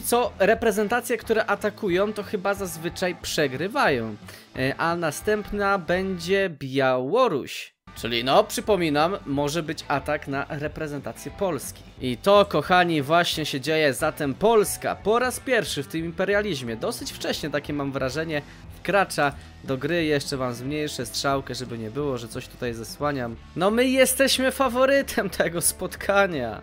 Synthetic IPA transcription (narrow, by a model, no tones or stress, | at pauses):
t̪sɔɾɛpɾɛzɛnt̪at̪sʲjɛkt̪uɾɛʔat̪akujɔ̃w̃t̪ɔxɘbazazvɘt͡ʂajpʂɛɡɾɘvajɔ̃w̃ | ʔanast̪ɛmpnabɛɲd͡ʑɛbʲjawɔɾṵɕ | t͡ʂɘlʲinɔpʂɘpɔmʲinamːɔʐɛbɘt͡ɕat̪aknaɾɛpɾɛzɛnt̪at̪sʲjɛpɔlskʲi̥ʔit̪ɔkɔxaɲivwaɕɲɛɕɛd͡ʑejɛzat̪ɛmpɔlska̰pɔɾaspʲjɛɾfʂɘft̪ɘmimpɛɾjalʲiʑmʲjɛd̪ɔsɘt͡ɕft͡ʂɛɕɲɛt̪akʲɛmamvɾaʐɛɲɛ | fkɾat͡ʂa | d̪ɔɡɾɘjɛʂt͡ʂɛvamzmɲejʂɛstʂawkɛʐɛbɘɲɛbɘwɔʐɛt̪sɔɕt̪u̥t̪ajzaswaɲam | nɔmɘjɛst̪ɛɕmɘfavɔɾɘt̪ʰɛmt̪ʰɛɡɔspɔt̪kʰaɲa̰